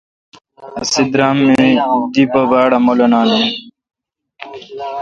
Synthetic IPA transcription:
ɐsid̪ɾamːed̪ibɐbaːɽɐmolɐnaːne

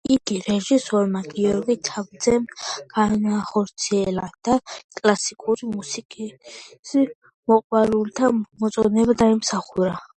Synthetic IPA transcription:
iɡiɾɛʒisɔɾmaɡiɔɾɡit̪ʰabd̪zɛmɡ̥anaχɔɾt̪sʰiɛlad̪̥akʼlasikʼuɾimusikʼis | mɔqʼwaɾult̪ʰamɔt̪sʼɔnɛbad̪aimsaχuɾa

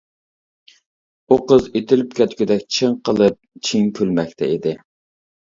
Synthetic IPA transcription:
uqəzet̪ʰɪlyp̚kʲʰɛt̪kʲyd̪ɛk̚ʲt͡ʃʰəŋqʰəlˠɨp̚t͡ʃʰiŋkʲʰølmɛk̚ʲt̪ʰɛid̪ɪ

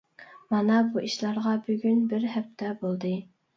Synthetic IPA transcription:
mɑnɑbuʔiʃlˠɑɾʁɑbøɡʲynbɪɾɦɛp̚t̪ʰɛbolˠd̪ɨ

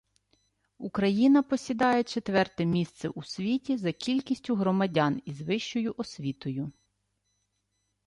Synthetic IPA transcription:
ukɾɐjinɐpɔsʲid̪ɑjɛt͡ʃet̪ʋɛrt̪ɛmʲist̪sɛʔusʲʋʲitʲizɐkʲilʲkʲisʲtʲʊɦɾɔmɐdʲɑnizʋɪʃt͡ʃɔjʊʔɔsʲʋʲit̪ɔjʊ

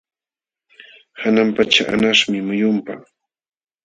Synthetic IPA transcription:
hanampat͡ʃaʔa̰naʂmɪmʊjʊmpa

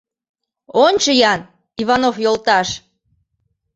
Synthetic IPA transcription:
onʲt͡ɕəjɑn | iβɑnofjolt̪ɑʃ

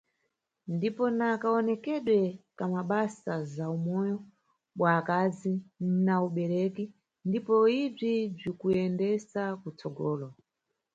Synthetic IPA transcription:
ndipɔnakaɔnɛkɛɗwɛkamaɓasazaumɔjɔ | ɓwaːkazinauɓɛɾɛki | ndipɔib͡ʐib͡ʐikuɛndɛsakut͡sɔɡɔːlɔ

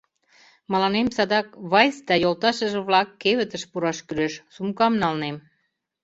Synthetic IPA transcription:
mɑlɑnemsɑd̪ɑkβɑjsd̪ɑjolt̪ɑʃə̆ʒĕβlɑkːeβə̆t̪ə̆ʃpuɾɑʃkyɾeʃsumkɑmnɑlnem

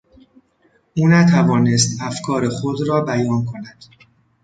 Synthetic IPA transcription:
ʔuːnæt̪ʰævɒːnest̪æfkʰɒːɾexod̪ɾɒːbæjɒːnkʰo̞næd̪̥

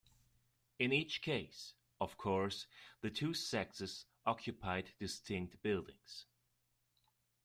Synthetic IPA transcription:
ɨ̃nit͡ʃkʰeɪs | ʌv̥kʰɔɹsðɨtʰʉsɛk̚tɨz̥ʔɑkʰjɨpʰaɪdɨstʰɪ̃ŋk̚t̚b̥ɪlˠdɪ̰̃ŋz̥

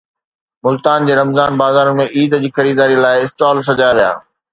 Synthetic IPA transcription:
mʊlt̪aːnd͡ʑeːɾɐmzaːnbaːzaːɾənmẽʔiːd̪d͡ʑiːxɐɾiːd̪aːɾilaːɪɪsʈaːls̬ɐd͡ʑaːjaʋija̰ː

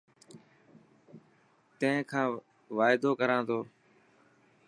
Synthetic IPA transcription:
t̪ə̃ɦɪ̃ːkʰãː | ʋaːɪd̪oːkəɾãːt̪ʰoː

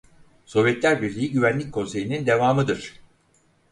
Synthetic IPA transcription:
so̞vjɛt̪lʲæɾbiɾlʲijiɟyvænlʲic̚kʰo̞nse̞jinind̪e̞vaːmɯd̪ɯɾ̥

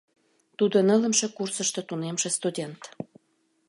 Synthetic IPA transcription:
t̪ud̪onələ̆mʃĕkursəʃt̪ot̪unemʃĕst̪udʲent̪

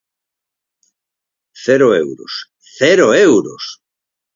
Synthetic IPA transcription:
θeɾoḛwɾo̰s | θeɾoewɾo̰s

